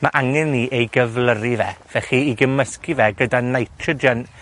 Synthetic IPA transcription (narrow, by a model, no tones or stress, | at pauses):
maʔaŋɛnːiʔejɡəvləɾivɛv̥ɛχiiɡəməskivɛɡədanajtʰrədən